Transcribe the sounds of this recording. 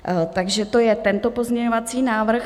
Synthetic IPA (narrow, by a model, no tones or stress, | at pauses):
t̪aɡʒɛt̪o̞jɛt̪ɛnt̪o̞po̞zɲɛɲovat͡siːnaːvr̩x